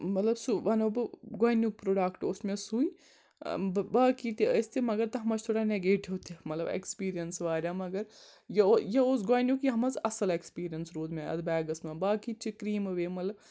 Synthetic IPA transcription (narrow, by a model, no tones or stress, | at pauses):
mɐt̪lɐbsuʋɐnobɨɡoːnjuk̚pɾoːɖaːkʈosmẽsui | bbaːkit̪iəjsʲt̪ʰimɐɡɐɾt̪ɐɦɐmɐt͡ʃʰt̪ʰoːɽaneɡeːʈiʋt̪ʰimɐt̪lɐ̰bḛkspiːɾijɐnsʋaːɾʲaːmɐɡɐɾ | jɐjɐosɡoːjnjukjɐɦɐmɐzɐsɐlekspiːɾijɐnsɾuːd̪meɐ̰d̪bɛːɡɐsmɐ̃baːkit͡ʃʰikɾiːmɨʋemɐt̪lɐb